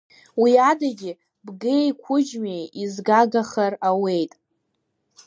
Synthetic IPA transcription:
wiadaɡʲɪ | bɡejkʷʰʊd͡ʒmejizɡaɡaχarawe̞jtʼ

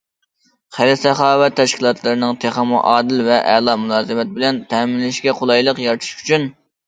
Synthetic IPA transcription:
χælɪsɛχɑːwɛt̪ʰːɛʃkʲʰilˠɑt̪lˠɨɾɨnɨŋt̪ʰeχɑmuʔɑːd̪ɪlvɛʔɛlˠɑmulˠɑːzɨmɛt̪̚bɪlɛnt̪ʰɛːmɪnlɪʃɡʲɛqʰolˠɑjlˠəqjɑɾt̪ʰu̥ʃy̥t͡ʃʰyn

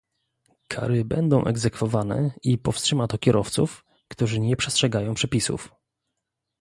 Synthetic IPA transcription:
kʰa̰ɾɘbɛnd̪ɔ̃w̃ʔɛɡzɛkfɔvanɛ̰ipɔfstʂɘmat̪ɔkʲɛɾʔɔft̪suf | kt̪uʐɘɲɛpʂɛstʂɛɡajɔ̃w̃pʂɛpʲisṵf

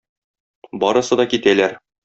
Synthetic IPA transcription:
bɒɾɤ̆sɤd̪ɒkit̪ælæɾ

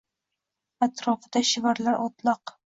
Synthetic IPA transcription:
at̪ɾɒfɪd̪aʃɪvaɾlaɾʔɒt̪lˠɑq

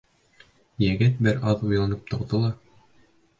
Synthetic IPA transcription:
jæɡɘt̪̚bɘɾɑðujlˠɑnɤp̚t̪ŏqd̪ɤlˠɑ

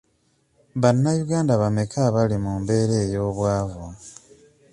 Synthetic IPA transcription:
βanːajuɡaːndaβame̞kʰaβalimuːmbe̞ːɾe̞ːjo̞ːβwaːvo

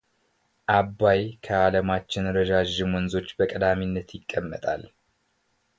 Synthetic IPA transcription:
ʔabːajkʰəaləmat͡ʃːɪnɾəd͡ʒaʒːɪmwɔnzo̞t͡ʃːbəkʼəd̪aminːət̪jɪkʼːəmːə̰t̪ʼa̰l

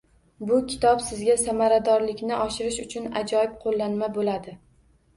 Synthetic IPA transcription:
bʊkʲʰɪ̥t̪ʰɒpsɪzɡʲasamaɾad̪ɒɾlɪkʲnɪʔɒʃɪɾɪʃʊt͡ʃʰʊna̰d͡ʒɒɪb̚qʰolːanmabolad̪ɪ

